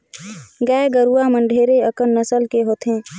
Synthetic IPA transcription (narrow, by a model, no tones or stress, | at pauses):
ɡɛɡəɾuwamə̃ɳɖʱeːɾeəkənːəsəlkeɦoːt̪ɦɛ̃ː